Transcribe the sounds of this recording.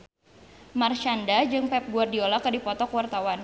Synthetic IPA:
mart͡ʃandad͡ʒɨŋpɛp̚ɡuardiolakadipɔt̪ɔkwart̪awan

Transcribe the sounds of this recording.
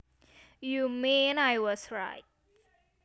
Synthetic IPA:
jumĩnajwɔsɹa̰ɪt̚

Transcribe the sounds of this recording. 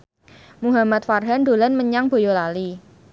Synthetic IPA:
muɦamat̪̚farɦand̪o̤lanməɲaŋb̥o̤jolali

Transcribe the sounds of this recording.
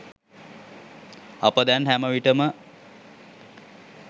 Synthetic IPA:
apəd̪ɛnɦæməʋiʈəmə

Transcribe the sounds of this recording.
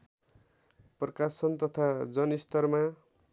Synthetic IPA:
prʌkasʌnt̪ʌt̪ʰad͡zʌnist̪ʌrma

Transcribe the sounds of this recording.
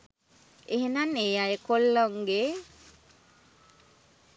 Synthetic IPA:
eɦenaneːjajəkolːoŋɡe

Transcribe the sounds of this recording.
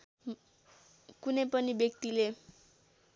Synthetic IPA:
kunepʌnibjekt̪ile

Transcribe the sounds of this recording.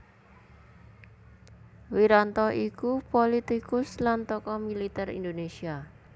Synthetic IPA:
wiɾant̪ɔʔikupolit̪ikʊslant̪ɔkɔmilit̪ɛɾḭnd̪onesia

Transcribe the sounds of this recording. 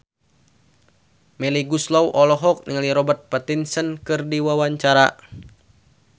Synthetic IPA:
mɛliɡuslɔwʔɔlɔɦɔk̚niŋaliɾɔbərt̪̚pɛt̪insənkɨrdiwawaɲt͡ʃaɾa

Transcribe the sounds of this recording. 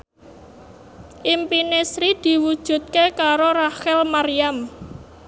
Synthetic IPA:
ʔimpinesɾid̪̥i̤wud̥ʒ̥ṳt̪̚kekaɾoraxɛlmaɾijam

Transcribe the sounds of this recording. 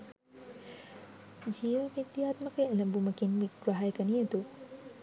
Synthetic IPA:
d͡ʒiːʋɐʋid̪jaːt̪məkeelɐmbumɐkinʋiɡɾɐɦajkɐniet̪u

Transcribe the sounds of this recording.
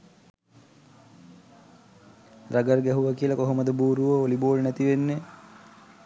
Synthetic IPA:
raɡərɡæɦuʋakiəlakoɦoməd̪əbuːɾuʋəoliboːɭnæt̪iʋenːe

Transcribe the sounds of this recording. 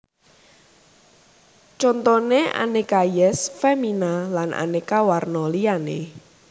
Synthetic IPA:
t͡ʃɔnt̪ɔnea̰nekajɛsfɛminalanʔa̰nekawarnɔlianḛ

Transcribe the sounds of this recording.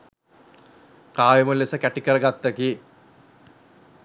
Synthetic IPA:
kaːjimulːesəkæʈikəɾəɡat̪ːəki

